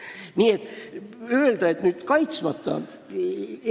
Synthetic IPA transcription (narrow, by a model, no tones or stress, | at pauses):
nʲiːet̪øeld̪æet̪nyt̪kɑjt̪smɑt̪ːɑ̰n